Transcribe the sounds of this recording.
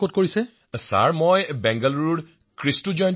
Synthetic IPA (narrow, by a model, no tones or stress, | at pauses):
kotkoɹisɛ | sa̰ɹmojbɛŋɡaluɹuɹ | kɹistud͡ʒɔjn